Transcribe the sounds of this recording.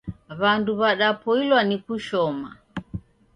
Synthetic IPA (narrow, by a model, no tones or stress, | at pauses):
βanduβaɗapʰɔilwanikuʃɔma̰